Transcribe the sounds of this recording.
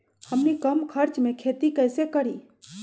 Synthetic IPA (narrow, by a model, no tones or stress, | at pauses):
həmnikəmkʰəɾt͡ʃmẽkʰeːt̪ikɛːsekəɾiː